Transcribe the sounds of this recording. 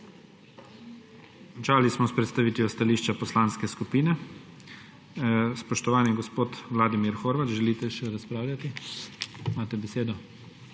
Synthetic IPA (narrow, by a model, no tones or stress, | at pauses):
ɔnt͡ʃaːlismɔspɾɛt̪st̪aʋiːt̪iɔst̪aliːʃt͡ʃapɔslaːnskɛskupiːnɛ | spɔʃt̪ɔʋaːniɡɔspoːt̪ʋlaːd̪imiɾxoːɾʋat͡ʃʒɛliːt̪ɛʃɛɾaspɾaːwlʲjat̪i | maːt̪ɛbɛseːd̪ɔ